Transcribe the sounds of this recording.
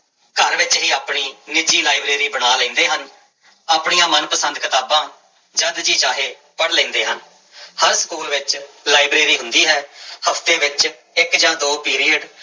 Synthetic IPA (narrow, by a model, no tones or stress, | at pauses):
kəɾʋɪt͡ʃɦiːaːpɳiːnɪd͡ʒiːlaːibɾeːɾiːbənaːlə̃ːnd̪eːɦən | aːpɳijãːmənpəsənd̪kət̪aːbãː | d͡ʒəd̪d͡ʒiːt͡ʃaːɦeː | pəɽlẽːnd̪eːɦən | həɾsə̥kuːlʋɪt͡ʃlaːibɾeːɾiːɦʊ̃nd̪iːɦɛːhəpʰt̪eːʋɪt͡ʃ | ɪkd͡ʒãːd̪oːpiːɾiːəɖ